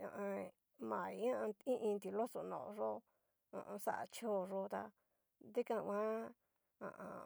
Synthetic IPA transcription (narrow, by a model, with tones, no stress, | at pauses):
ã̰˨ʔã˧ | mã˨i˨˦ã˦˧ĩ˦ʔĩ˧nt̪i˨lo˦so˨nõ̰˨˧ʐo˦˧ | ã̰˧˨ʔsa˦ʔa̰˧t͡ʃo˦ʐo˦˧t̪a˧ | d̪i˦kã˧wʷã˦ | ã̰˨ʔã̰˧